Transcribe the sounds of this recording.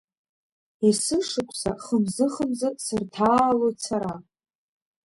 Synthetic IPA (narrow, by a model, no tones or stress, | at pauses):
isɨʂɨkʷʰʼsa̰χəmzɨχəmzɨsɨrtʰaːlot͡sʰaɾa